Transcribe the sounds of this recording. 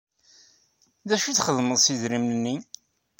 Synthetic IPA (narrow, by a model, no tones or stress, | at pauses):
ðæʃuθχəðməðˤsizɾimnənːi